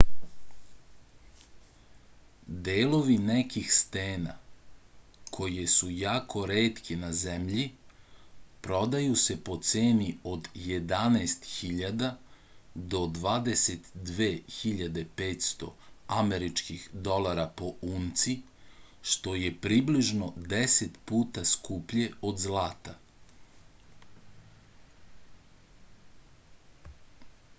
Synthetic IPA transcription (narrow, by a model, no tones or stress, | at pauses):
d̪eːlo̞ʋinekixst̪eːna̰ | kʰo̞jesujaːkʰo̞ɾeːt̪kinazemʎi | pɾo̞d̪ajuse̞po̞t̪seːnio̞d̪je̞d̪anaːst̪xiʎad̪a | d̪o̞d̪ʋaːd̪ese̞t̪d̪ʋeːxiʎad̪e̞peːt̪st̪o̞̰ameɾit͡ʃkixd̪o̞lˠaɾapo̞uːnt̪si | ʃt̪o̞je̞pɾibliʒno̞d̪eset̪puːt̪askupʎe̞o̞d̪zlaːt̪a